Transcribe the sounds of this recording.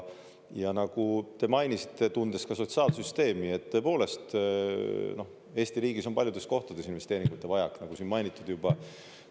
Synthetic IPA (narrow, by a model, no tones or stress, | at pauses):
jɑnɑɡ̥ut̪e̞mɑjnisi̥t̪ːˑe̞t̪und̪̥eskɑso̞t̪sɑːlsyst̪e̞ːmie̞t̪ːø̞po̞ːle̞st̪ | no̞h | e̞ːst̪iɾiːɡiso̞npɑljud̪̥e̞sko̞ht̪ud̪e̞sinve̞st̪e̞ːɾiŋɡ̥ut̪ːˑe̞vɑjɑknɑɡ̥usinmɑjnit̪ːˑud̪̥jub̥ɑ